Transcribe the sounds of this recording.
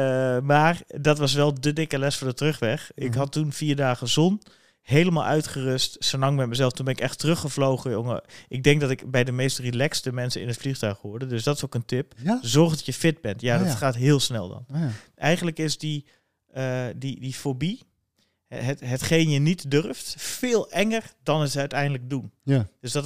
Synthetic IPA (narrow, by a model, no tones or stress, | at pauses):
maːrdɔtʋɑs̬ʋɛlˠdədɪkəlɛsfɔːɹdətrøχʋɛxʔɪkɦɑtunfiːɹdaːɣəzɔn | hejləma̰lˠʔœ̰ɥtχərøstsəlɑŋbɛjməzɛlˠftunbɛnɪkɛxtərøχəvlowɣəjoŋə̰ʔɪɡ̚dɛŋk̚dɔtɪkbɛjdəmejstrilɛkstəmɛnsənɪ̰nətfliχtœɥχʋʊɹdədøsdɔtɪsokəntɪpzɔrχdɔtjəfɪt̚bɛntjadɔtχaːtɦɪːlˠsnɛ̰lˠdɔ̰nʔɛjχən̩ləkɪsdi | ədidifobi | ɦtɦətχejnjənitdørftfɪːlˠɛŋərdɔnətœɥtɛjndələɡ̚dund̥øsdɔt